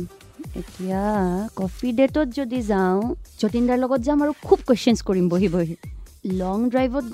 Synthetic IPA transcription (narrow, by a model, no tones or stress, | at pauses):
ḛtijakɔpʰidetɔtzodizaʊ̃z̥otindaɹlɔɡɔtzãaɹukʰub̚kweʃɛnskoɹimboɦiboɦilɔŋdɹajbɔt̚